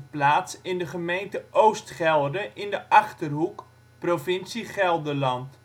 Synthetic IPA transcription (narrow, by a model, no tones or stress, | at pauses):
plaːtsɪndəχəmejntəʔowstχɛlˠdəʔɪndəʔɑχtərɦuk | profɪnsiχɛlˠdəlɑnt